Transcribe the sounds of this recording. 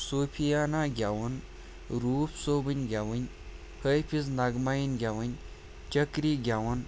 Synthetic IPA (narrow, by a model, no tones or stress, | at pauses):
soːpʰijaːnaːɡʲjaːʋɐn | ɾuːpʰsoːbɐnʲɡʲjaʋɐnʲ | hɐjpʰiz̬naɡmaːjinɡʲjaːʋɐnʲ | t͡ʃɐkɾiːɡʲjaʋɐn